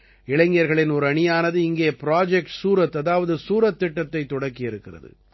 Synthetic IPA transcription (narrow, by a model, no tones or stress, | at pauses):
ɪɭɐŋɡɪjɐɾɣɐɭɪnɔɾɯɐɳɪjaːnɐðɯɪŋɡeːpɪɾaːd͡ʒɛk̚ʈsuːɾɐt̪ːɐðaːʋɐðɯsuːɾɐt̪ːɪʈːɐt̪ːɐɪt̪ːɔɽɐkːɪjɪɾɯkːɪrɐ̰ðɯ̰